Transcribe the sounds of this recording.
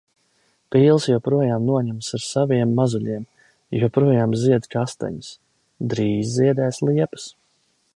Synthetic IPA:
piːlˠsjapɾuɔjaːmnuɔɲamsaɾsaviɛmːazuʎʲiɛm | juɔpɾuɔjaːmziɛd̪kast̪a̰ɲus | d̪ɾiːzziɛd̪ɛːslˠiɛpə̥s

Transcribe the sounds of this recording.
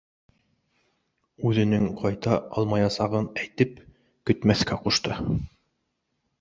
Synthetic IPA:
ʉðɘ̆nɘŋqʰɑjt̪ɑɑ̰lˠmɑjɑsɑʁɤnæjt̪ɘp | kɵ̆t̪mæθkæquʃt̪ɤ

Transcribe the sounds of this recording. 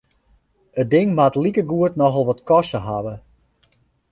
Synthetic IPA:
ət̚dɪŋmatlikəɡuətnɔxəlˠʋɔtkɔsəɦaʋə

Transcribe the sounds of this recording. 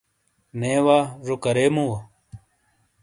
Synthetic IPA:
neːwaːʐokɐɾeːmũwɐ

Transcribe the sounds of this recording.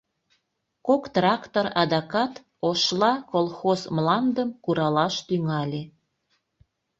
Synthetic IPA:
kokt̪rɑkt̪orɑd̪ɑkɑt̪ | oʃlɑkolˠxozmlɑnd̪əmkuɾɑlɑʃt̪yŋɑlʲe

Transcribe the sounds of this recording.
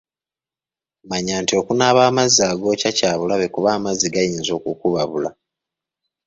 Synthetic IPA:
maɲaːntio̞kunaːβaːmazaːɡo̞ːcacaːβulaβe̞kuβaːmaziɡajiːnzo̞ːkukuβaβula

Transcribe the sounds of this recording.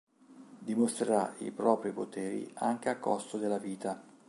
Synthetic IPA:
d̪imost̪ɾeɾaḭpɾɔːpɾipot̪ɛːɾḭa̰ŋk̟eakːɔ̰st̪od̪elːaviːt̪a

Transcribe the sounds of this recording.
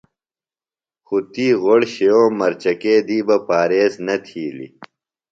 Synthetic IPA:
xut̪iːɣoɽɕejoːmɐɾt͡ɕɐkeːd̪iːbɐpaːɾeːznɐt̪ʰiːlḭ

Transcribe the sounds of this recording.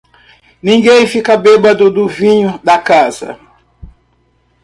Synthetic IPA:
nĩɡẽj̃fikɐbebɐd̪ʊd̪ʊvĩɲʊd̪ɐkazɐ̰

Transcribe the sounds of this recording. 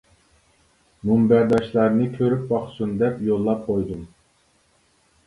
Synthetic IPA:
mumbæɾd̪ɑʃlˠɑɾnɨkʲʰøɾyp̚bɑχsund̪ɛpjolˠːɑp̚qʰojd̪um

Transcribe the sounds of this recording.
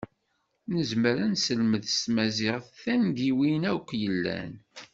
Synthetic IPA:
nəzməɾænsəlməðst̪mæzɪʁθθænd̪iwinækʷːjəlːæ̰n

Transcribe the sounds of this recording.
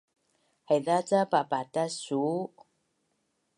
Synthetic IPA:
haðat͡sapapat̪asu

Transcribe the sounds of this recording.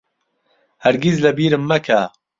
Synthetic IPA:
hɐɾɡizlɐbiːɾɨmːɐkʰa

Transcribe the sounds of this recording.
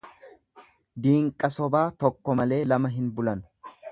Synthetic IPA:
d̪iːŋkʼɐsɔbaːt̪ɔkːɔmɐle̞ːlɐmɐɦɪnbʊlɐn

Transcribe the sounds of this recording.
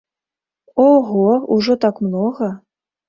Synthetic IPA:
oɣouʐot̪ɑkmnoɣɤ̆

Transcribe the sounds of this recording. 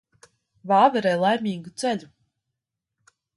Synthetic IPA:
vaːvɛɾɛjlˠajmʲiːɡut̪sɛʎʲu

